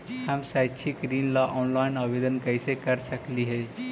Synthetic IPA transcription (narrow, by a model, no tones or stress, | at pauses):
həmsat͡ʃʰiɡɾiːnlaʔɔːnlaːɪnabed̪ənkəɪsekəɾsəkliɦɛ